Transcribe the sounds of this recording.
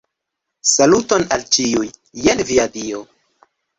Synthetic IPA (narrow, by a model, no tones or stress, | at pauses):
saluto̞nalt͡ʃiujːenviadio